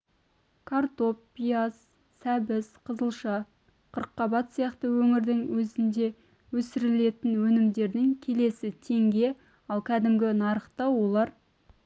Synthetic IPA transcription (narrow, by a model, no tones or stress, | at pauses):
kʰart̪opːijasː | æbɪsqʰəzəlˠʃɑ | qʰəɾqːɑbɑt̪sijɑqt̪əwɵŋɪɾd̪ɪŋwɵzɪnd̪e̞ | wɵsɪɾɪle̞t̪ɪnwɵnɪmd̪e̞ɾd̪ɪŋkʲʰe̞le̞sɪt̪ʰe̞ŋɡʲe̞ | ɑlˠkʲʰæd̪ɪmɡʲɪnɑɾəχt̪ɑwo̞lˠɑɾ